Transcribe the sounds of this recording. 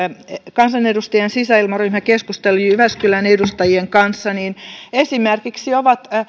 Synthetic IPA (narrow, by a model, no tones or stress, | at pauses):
kɑnsɑnedust̪ɑjɑnsisæilmɑryːmækeskust̪eliyʋæskylænedust̪ɑjieŋkɑnsːɑniːnesimerkiksioʋɑt̪